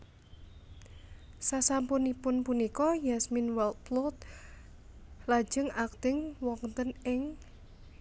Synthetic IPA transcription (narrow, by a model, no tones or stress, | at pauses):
sasampunipʊnpunikɔjasminwɛlt̪̚plɔt̪̚ | lḁd͡ʒ̥əŋak̚t̪ɪŋwɔŋt̪ənɪŋ